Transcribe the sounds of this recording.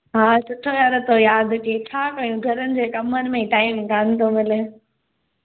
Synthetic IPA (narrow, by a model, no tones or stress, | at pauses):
ɦaːsʊʈʰojaːɾt̪ʰojaːd̪ʈiːt͡ɕʰaːkɐjũɡʱɐɾənɪ̆d͡ʑeːkɐmənɪ̆mẽiʈaːɪmɡʱaːnɪ̆t̪ʰomɪle